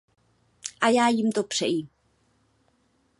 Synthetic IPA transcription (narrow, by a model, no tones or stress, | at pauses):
ʔajaːjimt̪opr̥ɛ̰jim